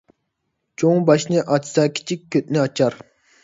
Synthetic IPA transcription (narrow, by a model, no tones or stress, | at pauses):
t͡ʃʰoŋbɑʃnɨʔɑt͡ʃʰsɑkʲʰi̥t͡ʃʰik̚ʲʰːøt̪̚nɪɑt͡ʃʰɑɾ